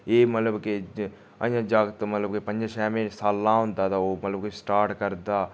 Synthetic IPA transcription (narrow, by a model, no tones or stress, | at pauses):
eːmət̪ləbkɪ | ə̰jãːd͡ʒaːɡət̪mət̪ləbkepə̃ɲd͡ʒʃɛːmẽːsaːlːãːɦʊ̃nd̪aːt̪aːoːmət̪ləbkʊsʈaːɾʈkəɾd̪aː